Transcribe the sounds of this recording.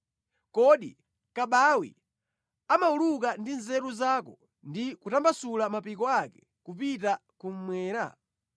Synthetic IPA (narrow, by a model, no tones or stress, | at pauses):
kɔɗḭ | kaɓawḭ | amauluk̬andinzɛɾuzaːkɔ | ndikutambasulamapikɔakɛ̥ | kupitakum̩mwɛːɾa̰